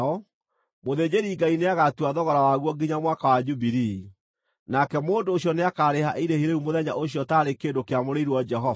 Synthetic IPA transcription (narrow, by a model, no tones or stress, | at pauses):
ɔ | moðed͡ʑeɾiːɡaineaɣatuwaðɔɣɔɾawaɣwɔɡiɲamwakawad͡ʒubiɾi | nakɛmoːndoːɕjɔneakaːɾehaʔiɾehiɾeumoðɛɲa̰ʔoɕjɔtaːɾekeːdokeamoɾeiɾuwɔd͡ʒɛɦɔ